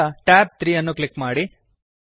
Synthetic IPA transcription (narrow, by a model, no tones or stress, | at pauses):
ɐʈaːp̚t̪ɾiːjɐnːuklikmaːɽi